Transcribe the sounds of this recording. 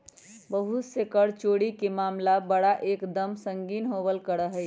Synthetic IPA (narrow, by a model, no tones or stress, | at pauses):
bəɦut̪sekəɽt͡ʃoːɽikemaːmlabəɽaʔeːkd̪əmsə̃ŋɡiːnɦoːbəlkəɾəɦɛ